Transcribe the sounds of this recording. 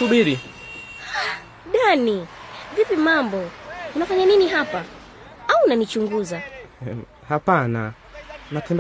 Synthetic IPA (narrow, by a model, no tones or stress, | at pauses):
uɓiɾi | ɗanivipimambɔunafaɲaniniɦapa | aunanit͡ʃuŋɡuza | hapana | matɛnd